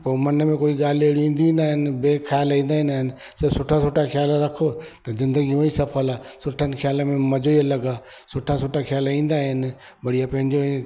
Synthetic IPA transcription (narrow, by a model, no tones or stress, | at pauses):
pomɐnəmẽkoːiɠaːl̤eɽiĩːn̆d̪iĩːnaːɦɪnɪ̆beːxʰjaːlĩːnd̪aːɦĩnaːɦɪnɪ̆ | sɐsʊʈʰasʊʈʰaxjaːlɾɐkʰot̪ɐzɪ̃nd̪əɡiũisɐfʰəlaːsʊʈʰənɪ̆xɪjaːləmẽmɐd͡ʑoiɐlɐɡaː | sʊʈʰasoːʈʰaxjaːlĩːnd̪aɦɪnɪ̆ | bɐɽijapɐ̃ɦɪ̃ɲd͡ʑo